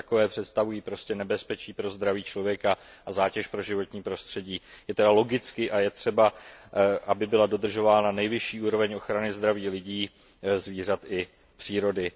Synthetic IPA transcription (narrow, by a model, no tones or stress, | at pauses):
akovɛːpr̥ɛt̪st̪avujiːpɾo̞scɛnɛbɛspɛt͡ʃiːpɾo̞zd̪ɾaviːt͡ʃlo̞vjɛkaʔazaːcɛʃpɾo̞ʒɪvo̞t̪ɲiːpɾo̞st̪r̥ɛɟiːjɛt̪ɛdalo̞ɡɪt͡skɪʔajɛt̪r̥ɛba | ʔabɪbɪlado̞d̪r̩ʒo̞vaːnanɛjvɪʃiːʔuːɾo̞vɛɲo̞xɾanɪzd̪ɾaviːlɪɟiː | zviːr̝at̪ʔɪ | pr̥iːɾo̞dɪ